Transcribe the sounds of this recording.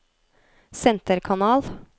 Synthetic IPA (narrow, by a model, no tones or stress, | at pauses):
sɛnt̪əɾkʰɑnɑːl